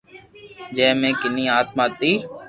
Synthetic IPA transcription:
d͡ʒɛːmẽːkɪnĩːaːt̪̚maːt̪iː

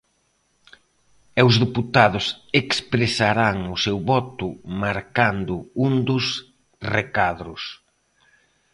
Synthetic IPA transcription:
ewzðiput̪aðʊsekspɾesaɾaŋʊsewβɔt̪ʊmaɾkand̪ʊund̪ʊs | rekaðɾʊs

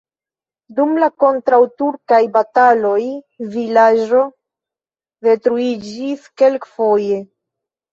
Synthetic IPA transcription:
dumlako̞ntɾawtuɾkajbatalo̞j | vilaʒo̞ | ve̞tɾuid͡ʒiske̞lkfo̞je̞

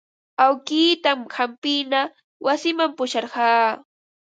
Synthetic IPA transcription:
awkiːt̪amhampɪna | wasɪmampʊʃɑɾɢɑː

